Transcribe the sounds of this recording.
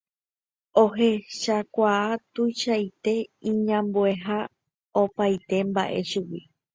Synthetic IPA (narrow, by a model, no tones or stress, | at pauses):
oɦeʃakʷaːt̪ujʃajt̪e̞ĩɲãmboe̞ɦa | opajt̪e̞mba̰ʔe̞ʃuwi